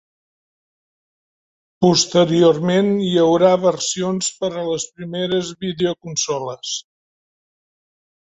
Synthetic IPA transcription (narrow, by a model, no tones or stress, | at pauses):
pust̪əɾiormenjəwɾaβərsionspəɾələspɾimeɾəzβiðeukunsɔləs